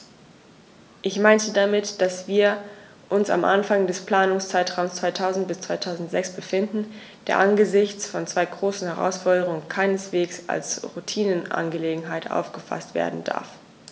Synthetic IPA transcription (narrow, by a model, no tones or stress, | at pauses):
ʔɪçmaɪntədamɪtd̥asv̥iːɐ | ʔʊnsa̰mʔa̰nfaŋdɛspl̥aːnʊŋst͡saɪtʁ̥aʊmst͡sv̥aɪtʰaʊzn̩t̚b̥ɪst͡sv̥aɪtʰaʊzn̩tz̥ɛksb̥əfɪndn̩ | d̥ḛːɐʔanɡəzɪçt͡sfɔnt͡sv̥aɪɡʁoːsn̩hɛʁa̰ʊsfɔɐdəʁʊŋənkʰaɪnəsv̥eːksa̰lsʁutʰiːnənʔa̰nɡəleːɡŋ̩ɦaɪtʔa̰ʊfɡ̥əfa̰stv̥ḛːɐdn̩da̰ɐf